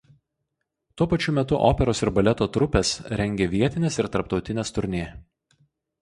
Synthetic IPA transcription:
t̪uɔpɐt͡ʃʲʊmʲɛt̪ʊʔo̰ːpʲɛɾoːsɪɾbɐlʲɛt̪oːt̪ɾʊpʲɛsɾʲɛŋʲɡʲeːʋʲiɛt̪ʲɪnʲeːsɪɾt̪ɐɾpt̪ɒʊt̪ʲɪnʲeːst̪ʊɾʲnʲeː

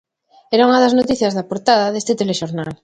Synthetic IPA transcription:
ɛɾauŋɐðɐznot̪iθjɐzðɐpoɾt̪aðɐðest̪ɪt̪eleʃoɾnal

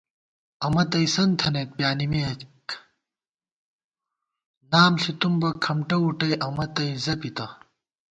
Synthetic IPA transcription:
ɐmɐt̪ɐisɐnt̪ʰɐneːt̪̚pjaːnimeɐk | naːmsit̪umbɐkʰɐmʈɐuʈɐjʔɐmɐt̪ɐjzɐpit̪ɐ

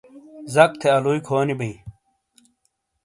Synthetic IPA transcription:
zɐk̚t̪ʰeɐluikʰoːnibɐĩ

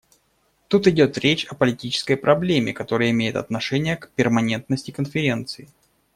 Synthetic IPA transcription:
t̪ut̪ɪdʲo̞t̪ɾʲet͡ɕɐpəlʲɪtʲit͡ɕɪ̥skəjpɾɐblʲemʲɪ̰kɐt̪o̞ɾɨjəɪmʲejɪt̪ɐ̰t̪nɐʂɛnʲɪjəkpʲɪrmɐnʲe̞nt̪̚nəsʲtʲɪkənfʲɪɾʲe̞nt̪sɨɪ

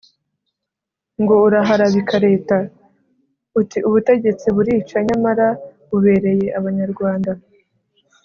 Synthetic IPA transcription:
ŋɡo̞uɾaɦaɾaβikaɾe̞ːta | utiʔuβute̞ɟe̞t͡siβuɾiːt͡ʃaɲamaɾaβuβe̞ːɾe̞je̞ʔaβaɲaɾɡwaːnda

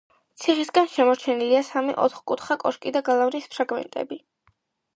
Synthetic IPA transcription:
t̪sʰiχisɡanʃɛmɔɾt͡ʃʰɛniliasamɛ̰ʔɔ̰t̪χkʼut̪ʰχakʼɔʃkʼid̪aɡalˠavnispʰɾaɡmɛ̰nt̪ʼɛ̰bi

